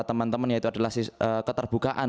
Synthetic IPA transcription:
t̪əmənt̪əmənjait̪uadalahsisəkət̪ərb̥ukaʔan

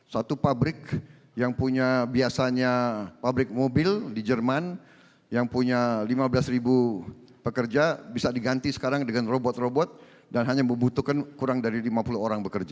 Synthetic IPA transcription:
sat̪upabɾɪk | jaŋpuɲabiasaɲapabɾɪk̚mobɪldid͡ʒərman | jaŋpuɲalimabəlasribu | pəkərd͡ʒabisadiɡant̪isə̥kaɾaŋdəŋanrobɔt̪̚robɔt̪̚ | danɦaɲaməmbut̪ukankuɾaŋdaɾilimapuluɦoɾaŋbəkərd͡ʒa

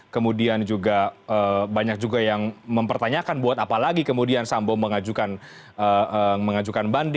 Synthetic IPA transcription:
kəmudiand͡ʒuɡaəbaɲak̚d͡ʒuɡajaŋməmpərt̪aɲakanbuat̪apalaɡikəmudiansamboməŋad͡ʒukan | əəməŋad͡ʒukanband

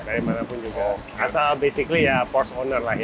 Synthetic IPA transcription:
daɾimanapʊnd͡ʒuɡa | asalbesiklijapɔrsɔnərlah

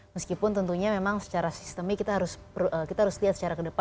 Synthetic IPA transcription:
məskipʊnt̪ənt̪uɲamemaŋsə̥t͡ʃaɾasi̥st̪əmikːit̪aɦaɾʊspəɾuʔəkit̪aɦaɾʊsliɦat̪sə̥t͡ʃaɾakədəpa

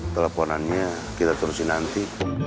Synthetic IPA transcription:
t̪ələpɔnanɲa | kit̪at̪əɾʊsinant̪i

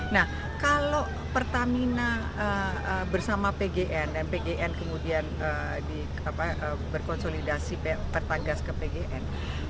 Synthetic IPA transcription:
nah | kalo | pərt̪amina | əəbərsamapeɡeʔɛndanpeɡeʔɛnkəmudianə | di | apaʔəbərkɔnsolidasippərt̪aɡaskəpeɡeʔɛn

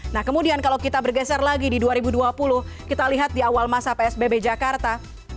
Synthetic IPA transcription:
nahkəmudiankalawkit̪abərɡɛsarlaɡididuaɾibuduapulʊhkit̪aliɦat̪̚diawalmasapeɛsbebed͡ʒakart̪a

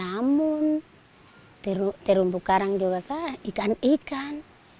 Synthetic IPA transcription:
amun | t̪ɛɾut̪ɛɾumbukaɾaŋd͡ʒuɡakaikanikan

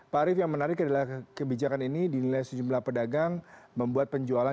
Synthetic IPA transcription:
paɾɪfjaŋmənaɾɪkadalahkəbid͡ʒakaninidinilajsəd͡ʒumlahpədaɡaŋməmbuat̪̚pəɲd͡ʒuala

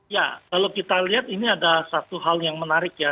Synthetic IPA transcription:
jakalokit̪aliɦat̪iniadasat̪uɦaljaŋmənaɾɪkja

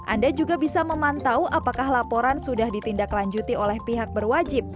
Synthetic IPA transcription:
ʔandad͡ʒuɡabisaməmant̪awʔapakahlapoɾansudahdit̪indaklaɲd͡ʒut̪iolɛhpiɦak̚bərwad͡ʒɪp̚

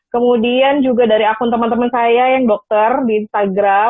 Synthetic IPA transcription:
kəmudiand͡ʒuɡadaɾiakʊnt̪əmant̪əmansajajaŋdɔk̚t̪ərdiːnst̪aɡɾa

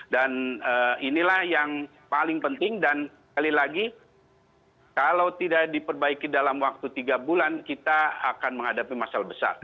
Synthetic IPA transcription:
danəːinilahjaŋ | palɪŋpənt̪ɪŋdansə̥kalilaɡi | kalawt̪idaʔdipərbaikidalamwak̚t̪ut̪iɡabulankit̪aːkanməŋhadapimasalabəsa̰r

